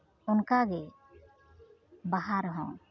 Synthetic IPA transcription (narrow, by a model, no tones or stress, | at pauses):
ʊnkaɡɛ | baɦaɾɦɔ̰̃